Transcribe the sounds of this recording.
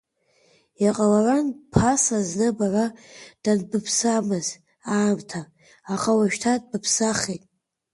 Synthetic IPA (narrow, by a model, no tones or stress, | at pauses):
jaqʼalaranpʰasaznɨbarad̥anbɨpʰsamɨz | aːmtʰaː | χawaʃᶣtʰad̚bɨpʰsaχetʼ